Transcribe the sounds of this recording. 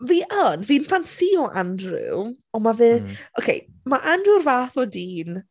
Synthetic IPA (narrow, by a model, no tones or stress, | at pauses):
viʔənviːnfansiːɔʔa̰ndrɪ̰l | ɔmavɨokʰḛj | maʔandrɨrvaːθɔdiːn